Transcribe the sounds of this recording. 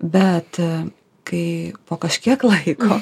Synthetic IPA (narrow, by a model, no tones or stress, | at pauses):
bʲɛt̪ | kɐɪpoːkɐʃʲkʲiɛklˠɐɪkʰoː